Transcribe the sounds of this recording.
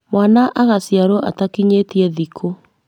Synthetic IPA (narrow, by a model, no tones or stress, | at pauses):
mwanaʔaɣasjaɾoʔa̰takiɲetiɛðikʰo